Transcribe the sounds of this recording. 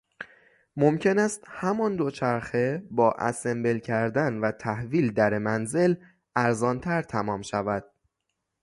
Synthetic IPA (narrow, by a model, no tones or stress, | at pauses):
momcʰe̞næst̪hæmɒːnd̪o̞t͡ʃʰæɾxe̞bɒːʔæ̰sembelcʰæɾd̪ænvæt̪ʰæhviːld̪æɾemænze̞l | ʔæɾzɒːnt̪ʰæɾt̪ʰæmɒːmʃævæd̪̥̚